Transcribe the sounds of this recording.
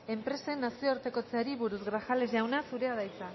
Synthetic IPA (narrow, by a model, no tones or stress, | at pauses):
e̞mpɾe̞se̞nːasio̞ɾt̪e̞ko̞t͡seɾiβuɾuzɣɾaxale̞zʝawnasuɾe̞aðajt͡sa